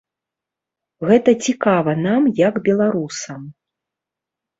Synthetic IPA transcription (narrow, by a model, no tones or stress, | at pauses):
ɣɛt̪ɐt͡sʲikavɐnamjɐɡbʲɛlˠaɾusɐm